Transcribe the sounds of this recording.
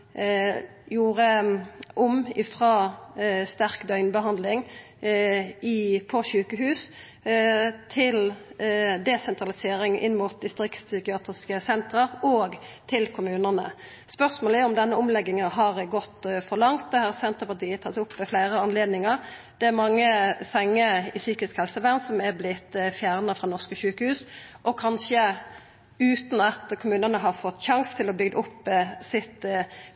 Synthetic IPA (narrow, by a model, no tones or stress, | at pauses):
juːʁəʔʊmɪfʁɑːst̪æʁkd̪œʏnbəɦɑnd̪lɪŋ | ɪpʰɔʃʉːkəɦʉːs | t̪ʰɪl | d̪ɛsɛnt̪ʁɑlɪseːɾɪŋɪ̰nːmuːt̪̚d̪ɪst̪ʁɪkt̪ssʏkɪɑːt̪ʁɪskəsɛnt̪ʁəʁoːɡt̪ʰɪlkʰʊmʉːnənə̰ | spœʁsmoːlɪɔmd̪ɛnːəʊmlɛɡːɪŋəɦɑʁɡɔt̪ːfɔʁlɑŋt̪̚d̪ɛhɑʁsɛnt̪ʁəpɑt̪iːət̪ʰɑt̪ːʊpːmɛflæɪɾəɑnleːd̪nɪŋəʁ | d̪̥ɛæɾmɑŋːəsɛŋːəɪsyːkɪskhɛlsəʋæːʁnsɔmæʁblɪt̪ːfjæːʁnəfɾʁɑnɔʁskəʃʉːkəhʉːsʔɔkʰɑnʃə | ʉːt̪n̩ɑt̪kʰʊmʉːnənəɦɑʁfɔt̪ːʃɑŋst̪ʰɪlɔbʏɡd̪əʊpːsɪt̪